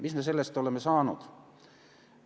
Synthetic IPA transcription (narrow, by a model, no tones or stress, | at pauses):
mismes̬e̞lːest̪ole̞mːesɑːnṵd̪̥